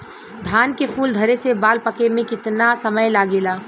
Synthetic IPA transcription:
d̪ʱaːnkepʰuːld̪ʱɐɾesebaːlpəkemẽkɪt̪nasəməjlaːɡeːlaː

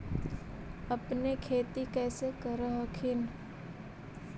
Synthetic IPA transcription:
ɐpnekʰeːt̪ikɛːsekəɾəɦəkʰɪn

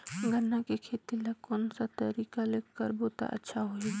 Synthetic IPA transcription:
ɡʱənːakekʰeːt̪ilɐkːɔːnsat̪əɾiːkaleːkːəɾboːt̪a̰ʔə̰tːʃʰaɦoi

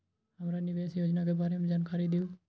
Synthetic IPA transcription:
ɦəmɾanɪʋeːsjoːd͡ʒnakebaːɾemẽd͡ʒaːnkaːɾid̪ɪuː

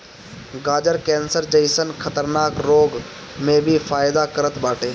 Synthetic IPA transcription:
ɡaːd͡ʒəɾkɛ̃ːnsəɾd͡ʒəɪsənkʰɐt̪əɾnaːkɾoːɡ | mẽbʱifaːɪd̪akəɾət̪baːʈeː

